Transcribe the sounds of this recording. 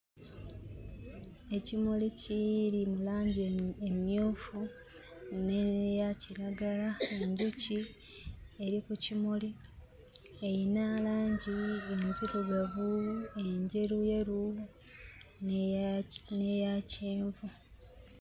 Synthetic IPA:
e̞cimulicilimulaːɲɟemjoːfu | nejaciɾaɡalae̞ɲɟuci | e̞ɾikucimuli | e̞jinaːlaːɲɟie̞nziluɡaβue̞ɲɟe̞ɾuje̞ɾu | ne̞jaceːɱvu

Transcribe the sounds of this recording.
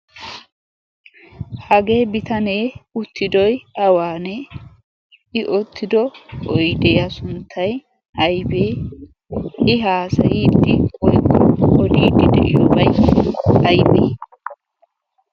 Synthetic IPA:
hɐɡeːbɪt̪ɐneːʊt̪ːɪd̪ɔjɐwaːnɛ | ɪʔɔt̪ʰːɪd̪ɔkʼɔjɪd̪ɛjɐsʊnt̪ʰːɐj | ʔɐjbeː | ɪɦaːsɐjit̪ːɪwɔjkːɔɔd̪iːd̪ɪd̪ɛ̰ʔɪjɔːbɐj | ɐjbeː

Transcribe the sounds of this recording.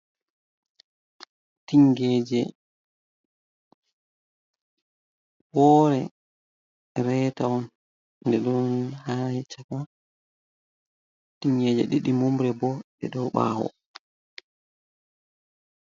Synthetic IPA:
tiŋɡɛd͡ʒɛ | wɔːɾɛ | ɾɛtawɔn | ndɛɗɔnnhaɛt͡ʃakɔn | tiŋɡɛd͡ʒɛ̰ɗiɗimomɾɛbɔɓɛ̰ɗɔɓa̰ːhɔ̰

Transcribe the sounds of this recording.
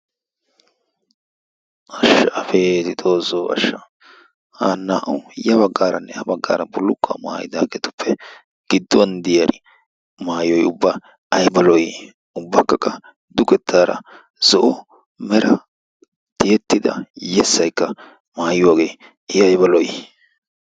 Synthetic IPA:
ʔɐʃːɐɐfeːt̪ɪt̪ʼo̞ːzoːɐ̰ʃːɐ | haːnːaːʔɐwjɐbɐɡːaːɾɐnːɛhɐbɐɡːa̰ːɾɐbʊlːʊkːɐ̰ma̰ːjɪd̪aːɡeːt̪ʊ̥pʰːɛ | ɡ̥ɪd̪ːʊwɐnd̪ɪjaɾɪ | maːjɔjʊbːa | ɐjbɐlɔj | ʊbːɐkːɐkʼːɐ | d̪ʊkɛt̪ʰːaːɾɐ̰ | z̥ɔʔɔ | mɛɾɐ | t̪ɪjɛt̪ːɪd̪ɐ̰jɛsːɐjkːɐ | maːjʊwaːɡeː | ɪɐjbɐlɔj

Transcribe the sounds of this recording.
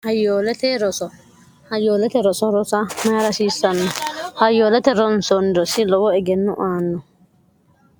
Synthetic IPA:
hɐjoːlt̪ɛɾɔsɔ | hɐjoːlɛt̪ɛɾɔsɔɾɔsɐmɐɾɐsiːsːɐnːɔhɐjoːlɛt̪ɛɾɔnsɔnd̪ɔsɪlɔwɔɛɡɛnːʊʔaːnːɔ

